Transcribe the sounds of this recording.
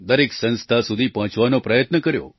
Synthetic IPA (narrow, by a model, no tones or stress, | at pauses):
d̪əɾeksə̃nst̪ʰasud̪ʱipəɦə̃t͡ʃʋanopɾəjət̪nəkəɾjo̰